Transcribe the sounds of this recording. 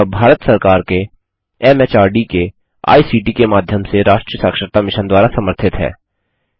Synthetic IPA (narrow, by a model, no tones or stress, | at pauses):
bʱaːɾət̪sɐɾkaːɾke | ɛmet͡ʃaːɾɖike | a̰ːisiːʈikemaːd̪ʱjəmseɾaːʃʈɾjəsaːkʃəɾt̪amɪʃənd̪waːɾasɐməɾt̪ʰɪt̪ɦɛ̰ː